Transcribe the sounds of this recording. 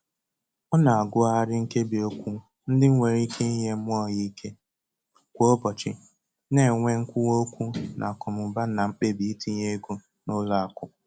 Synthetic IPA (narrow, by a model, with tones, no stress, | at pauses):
ɔ˦na˨a˨ɡʊ˦a˦ɾɪ˦ŋ̩˦ke˦bi˨o˦kʷu˦ | n̩˦dɪ˦ŋ̩ʷ˦e˨ɾi˦ke˦i˦ɦe˦mʷ˦ɔ˦˨ɣi˦kʰe˦ | kʷo˦o˦bɔ˨t͡ʃɪ˦˨ | ne˨ŋʷe˦ŋ̩˦kʷʊ˦wo˦kʷu˦nʔa̰˨kɔ˨mʊ˨ba˦na˨ŋ͡m̩˦k͡pe˦bi˨i˦tʰi˦ɲe˦ɡu˦ | nʊ˦la˦a˨kʊ˨